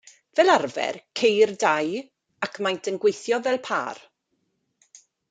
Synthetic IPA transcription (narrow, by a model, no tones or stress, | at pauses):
vɛlarvɛ̰rkʰejrdaj | akʰmajntʰənɡwejθjɔvɛlˠpʰa̰ːr